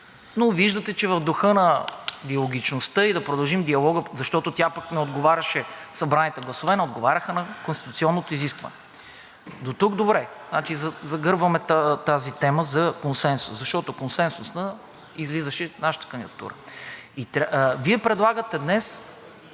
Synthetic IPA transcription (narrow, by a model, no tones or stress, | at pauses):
noviʒd̪ət̪ɛt͡ʃɛvɐvd̪oxɤnɐd̪iɐlˠoɡ̟ʲit͡ʃnost̪ɤid̪ɐpɾod̪ɐlˠʒimd̪iɐlˠɔɡəzɐʃt̪ɔt̪ot̪ʲjapəknɛod̪ɡovaɾʲɐʃɛsɐbɾanit̪ɛɡlˠɐsovɛnɛod̪ɡovaɾʲɐxənɐkonst̪i̥t̪ʊt̪siɔnːot̪oiziskvɐ̰nɛ | d̪ot̪ukd̪obɾɛznat͡ʃizɐzɐɡɤɾbvɐmɛt̪t̪azit̪ɛməzɐkonsɛnsu̥szɐʃt̪ɔt̪okonsɛnsusnɐ | izlizəʃɛnaʃə̥t̪ə̥kənd̪id̪ət̪ṵɾə̰it̪viɛpɾɛd̪lˠaɡət̪ɛd̪nɛs